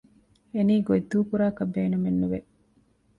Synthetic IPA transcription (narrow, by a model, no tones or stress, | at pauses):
eniːɡoid̪ːuːkuɾaːkɐbeːnumenːuʋe